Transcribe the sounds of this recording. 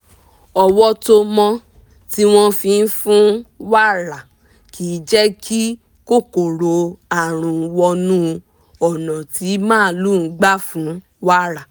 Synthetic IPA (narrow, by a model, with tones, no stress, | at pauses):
ɔ˨wɔ˧to˧mɔ̃˧ | ti˦w̃ɔ̃˦fĩ˧n̩˦fũ˦wa˦˨ɾa˨ | kʰi˨˦d͡ʒɛ˦kʰi˦ | ko˦˨ko˨ɾo˧a˨ɾ̃ũ˨˧wɔ˧nũ˦ | ɔ˨nɔ̃˨ti˨˦mãː˦˨˦lu˦˨n̩˦ɡ͡ba˦fũ˨˦ | wa˦ɾa˨